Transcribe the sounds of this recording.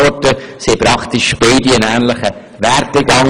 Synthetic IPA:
ɔtəsipɾɑkt̪iʃb̥eɪdiənæːnləχə | ʋɛrteɡɑŋ

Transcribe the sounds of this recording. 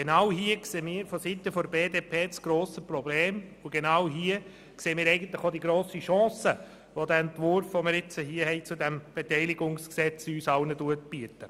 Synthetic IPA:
ɡ̥enɑwɦiəkseːmiːɾfɔsit̪əfɔɾbeːdeːpʰeːt͡sɡ̥ɾoːsəpɾɔbleːmʊɡ̥enɑwɦiə | kseːəmiːɾɛɪɡən̩t̪ləχodiɡɾoːsiʃɑ̃ːsə | ʋodæːɛntʋʊɾfʋomɪɾɪt͡səɦiəhɛɪt͡sudɛmb̥etɛɪlɪɡʊŋsksɛt͡syːsɑwnəduət̚b̥iətə

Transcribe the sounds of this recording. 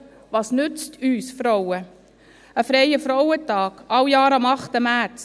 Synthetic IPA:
ʋɑːsnʏt͡stʰyːsfɾowə | əfɾɛjəfɾɔwətɑːɡ̥ɑwjɑːɾɑmɑχtəmæɾt͡s

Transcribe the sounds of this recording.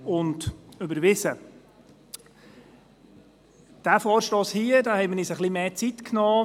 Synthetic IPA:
ʊntʏbəɾʋɪzə | d̥æfɔːɾʃtoːshiːədaːhɛɪməniːsəχlimeːt͡sit̪knɔː

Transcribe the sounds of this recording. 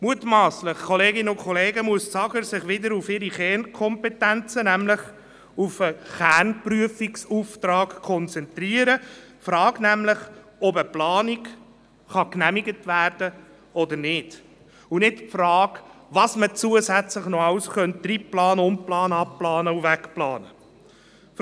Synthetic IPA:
muətmɑːslɪχkʰɔleːɡɪnəʊkʰɔleːɡəmuəst͡sɑɡəɾsɪχʋɪdəɾufɪɾiχɛːnkʰɔmpɛtænt͡sənæmlɪχ | ufəχæɾnpryəfiksuːft̪ɾɑːkkʰːɔnt͡sɛntɾiəɾəfɾɑːɡnæmləχɔbəplɑːnik | χɑknæmiɡətvæːrd̥ə | ɔd̪əɾnɪd | unɪtpfɾɑːkʋɑsmət͡suəsæt͡sləχnɔɑʊsχœntt̪ripplɑːnʊmplɑːnɑpplɑːnəuvækplɑːnə

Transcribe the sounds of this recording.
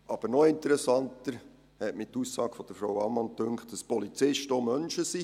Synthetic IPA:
ʔɑb̥əɾnɔɪnt̪əɾɛsɑntəɾ | hɛtmɪtusːɑːɡ̥fɔd̥əɾfɾawɑmɑntʏŋkχtəspɔlit͡sɪʃtoːmœnʃəsi

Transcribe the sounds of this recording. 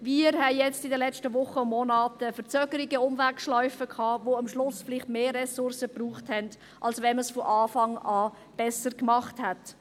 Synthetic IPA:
viəɾhɛjɛt͡stɪdəlɛt͡ʃtəʋʊχəʊmmɔnaːtəfəɾt͡søːɡ̥əɾiɡəʊmvækʃlɔʏfəkʰɑːʋoːɑmʃlʊsfɪlɪχtmeːrɛsʊɾsəbruːχthɛnd | ʔɑlsʋɛnməsfɔʔɑːfɑŋaː | b̥ɛsəɾkmɑχthɛt

